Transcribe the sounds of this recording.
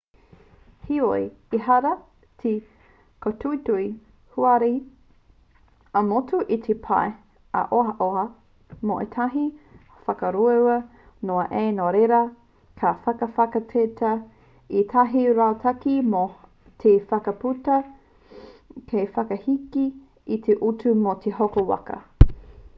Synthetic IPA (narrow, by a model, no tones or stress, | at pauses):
hioi | iɦaɾɐ | tʰi | kʰotʰuitui | huaɾi | ɐmotuʔitʰepʰa̰e | ɐ̰ʔoɐʔoɐ | moʔetʰɐɦi | fɐkɐɾuɐwɐ | noɐʔeːnoɾeɾɐ | kʰɐfɐkɐfɐkɐtʰetʰɐ | itʰɐɦiɾatʰɐkimo | tʰefɐkɐputɐ | kʰejfɐkɐhiki | it̪ʰeʔutumot̪ʰeɦokowa̰kɐ̰